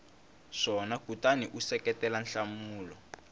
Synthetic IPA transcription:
ʂɔnakutaniʔusɛkɛtɛlanɬamuːlɔ

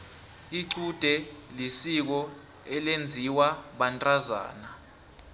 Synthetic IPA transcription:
iǀud̥ʱɛlisik̬ɔ | ɛlend͡zʱiwaɓantʼaza̰ːna

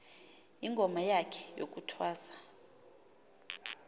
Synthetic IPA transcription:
iŋɡʱɔmajakʰɛ̥jo̰k̬ʼutʰwaːsḁ

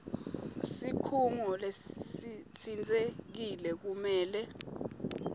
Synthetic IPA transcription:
sikʰuŋɔlessitʰind͡zʼek̬ilɛk̬umɛːlɛ

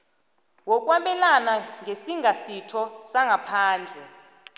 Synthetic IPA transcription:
wɔk̬ʼwaɓɛlanaŋʱesiŋʱasitʰɔsaŋɡʱapʰaːnd͡ɮʱɛ

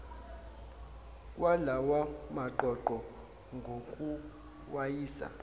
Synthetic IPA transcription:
kʼwalawamaǃɔǃɔ | ŋɡʱokʼu | wajiːsa̰

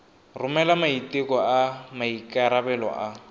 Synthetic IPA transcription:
rʊmɛlamaitekɔamaikʼaɾabɛlɔ̰ʔa

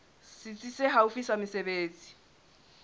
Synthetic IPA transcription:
sɪt͡sʼiseɦaufisamɪsebeːt͡sʼi̥

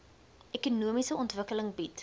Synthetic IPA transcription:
ʔɛkunuəmisəɔntvəkələŋbit

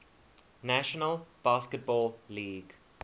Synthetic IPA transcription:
næʃɔnəlb̥askət̚bɔːlliːɡ

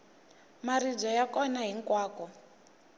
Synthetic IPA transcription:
marid͡zɔjakɔnaɦiŋkwaːkɔ

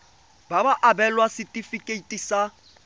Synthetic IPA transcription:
babaʔabɛlwasɪtʼifikʼeitʼisa

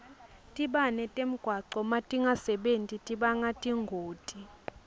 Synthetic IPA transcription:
tʼiɓanɛtʼem̩ɡ̥ʱwaǀɔmatʼiŋasɛɓentʼitʼiɓaŋatʼiŋɡʱoːtʼi

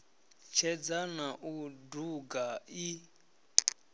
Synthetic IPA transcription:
t͡ʃʰɛd͡zanaʔuduɡai

